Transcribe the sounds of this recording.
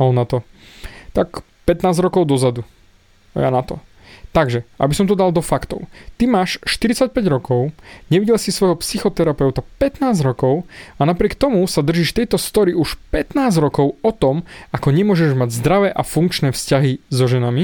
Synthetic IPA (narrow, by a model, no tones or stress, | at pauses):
anat̪ɔt̪ak | pɛt̪naːzɾɔkɔʊd̪ɔzad̪ṵ | ja̰nat̪ɔ | t̪aɡʒɛʔa̰bisɔmt̪ɔd̪alˠd̪ɔfakt̪ɔ̰ʊt̪imaːʃʃt̪iɾit͡sac̚pɛɟɾɔkɔʊɲɛʋiɟɛlsisʋɔjɦɔpsixɔt̪ɛɾapɛʊt̪apɛt̪naːzɾɔkɔʊanapɾɪɛk̚t̪ɔmusad̪r̩ʒiːʃt̪ɛjt̪ɔst̪ɔɾiuʃpɛt̪naːzɾɔkɔʊɔt̪ɔmakɔɲɛmʊɔʒɛʒmaɟzd̪ɾaʋɛːʔafuŋkt͡ʃnɛːfscaɦizɔʒɛnami